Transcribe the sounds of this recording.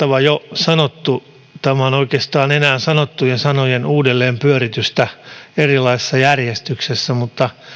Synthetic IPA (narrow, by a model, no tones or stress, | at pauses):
ɑʋɑjosɑnot̪ːu | t̪æmæonoikest̪ɑːnenæːnsɑnot̪ːujensɑnojenuːdelːeːmpyøɾit̪yst̪æerilɑisesːɑjærjest̪yksesːæmut̪ːɑ